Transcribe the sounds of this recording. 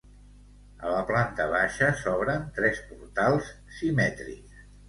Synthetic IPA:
ələplant̪əβaʃəsɔβɾənt̪ɾɛspuɾt̪alˠs | simɛt̪ɾḭkss

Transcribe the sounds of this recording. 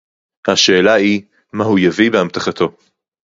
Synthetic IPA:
haʃe̞ːlai | mahujavibehamt̪aχat̪ʰo̞

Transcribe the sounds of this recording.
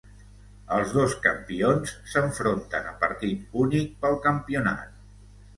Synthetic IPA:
əlˠzðoskə̰mpionsːəɱfɾont̪ə̰nəpəɾt̪it̪unik̚pəlˠkəmpiuna̰t̪̚

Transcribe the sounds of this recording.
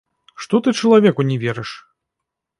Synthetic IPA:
ʂt̪ɔt̪ɨt͡ʂɐlˠavʲɛkunʲɛvʲɛɾɨʂ

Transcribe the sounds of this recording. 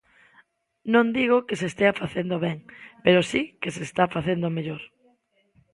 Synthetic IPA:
nõnd̪iɣokesest̪eafaθend̪oβɛŋpeɾosikesest̪afaθend̪omeʎoɾ

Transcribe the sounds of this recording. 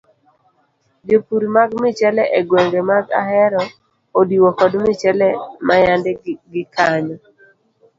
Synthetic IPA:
d͡ʒopuɾimaɡmɪt͡ʃɛlɛʔeɡwɛŋɡemaɡa̰ɦɛɾɔ | odiwɔkɔdmɪt͡ʃɛlɛmajandɛɡɪkaɲɔ

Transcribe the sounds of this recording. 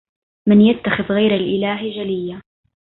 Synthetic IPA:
mɪnjat̪ːaxɪðɣajɾalʔɪlaːɦd͡ʒalɪjːa

